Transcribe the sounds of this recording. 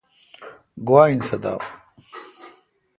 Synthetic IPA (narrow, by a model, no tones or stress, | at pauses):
ɡuwaːinsɐd̪a̰ːw